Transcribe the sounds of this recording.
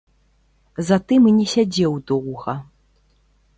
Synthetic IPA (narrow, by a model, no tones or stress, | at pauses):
zat̪ɨminʲɛsʲad͡zʲɛwd̪ɔwɣɐ